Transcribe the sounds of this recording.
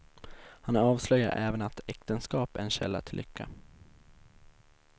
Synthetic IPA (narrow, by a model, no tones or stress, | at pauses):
hanɾɑːvslœjːaɾʔɛːvənat̪ɛkt̪ənskɑːpɛnɕɛ̰lːa̰ʈ̪ʰɪlːʔʏkʰːa̰